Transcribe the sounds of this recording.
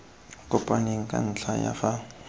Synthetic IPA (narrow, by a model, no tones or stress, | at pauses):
kʼʊpʼaneŋ̩kʼa̰n̩t͡ɬʰaja̰fa